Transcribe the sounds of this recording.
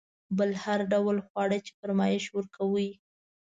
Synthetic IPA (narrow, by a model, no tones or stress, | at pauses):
bəlhaɾɖawlxwɑɽət͡ʃe̥faɾmɑjɪʃwəɾkawəj